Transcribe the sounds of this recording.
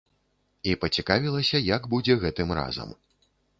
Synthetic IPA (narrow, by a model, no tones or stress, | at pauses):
ipɐt͡sʲikavʲilˠɐsʲɐjɐɡbud͡zʲɛɣɛt̪ɨmra̰zɐ̰m